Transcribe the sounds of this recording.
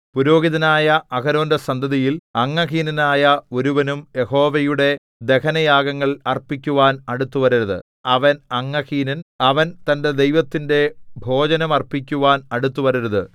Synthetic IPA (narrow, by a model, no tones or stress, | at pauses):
puɾo̞ːɡiðɐnaːjɐʔɐkɐɾo̞ːndɐsɐnd̪ʱɐðijilɐŋːɐɦiːninaːjɐo̞ɾuʋɐnumje̞ho̞ːʋɐjuɽe̞ | d̪e̞kɐnɐjaːɡɐŋːɐɭɐrpikʲːuʋaːnɐɽut̪ːuʋɐɾuɾɐðɨ̰ | ɐʋɐnɐŋːɐhiːninɐʋɐnt̪ɐnde̞d̪e̞jʋɐt̪ːinde̞bʱo̞ːd͡ʑɐnɐmɐrpikʲːuʋaːnɐɽut̪ːuʋɐɾuɾɐðɨ